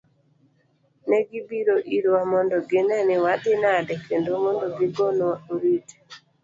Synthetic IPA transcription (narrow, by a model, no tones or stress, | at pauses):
nɛɡibiɾoʔiɾoamɔndɔɡɪnɛnɪwadɪnadɛkendomɔndɔɡiɡonɔauɾite̥